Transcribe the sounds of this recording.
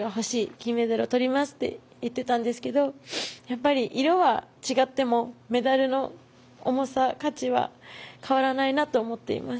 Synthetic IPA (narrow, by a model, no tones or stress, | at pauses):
ɡaɦo̞ɕiːkʲimːe̞d̪aɾot̪o̞ɾʲimasɨ̥t̪ːe̞̰ | jɯt̪ːe̞t̪ãnd̪e̞sɨ̥ke̞d̪o̞japːaɾʲiʔiɾo̞βat͡ɕiɡat̪ːe̞mo̞me̞d̪aɾɯ̟no̞ | o̰mo̞sakat͡ɕiβa̰kʰaβaɾanainat̪o̞ːmo̞t̪ːe̞̰ḭmasɨ̥